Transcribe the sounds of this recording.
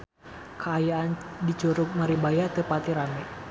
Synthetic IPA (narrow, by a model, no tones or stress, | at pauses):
kʰəajaandit͡ʃuɾuk̚maɾibajat̪əpat̪iɾamɛ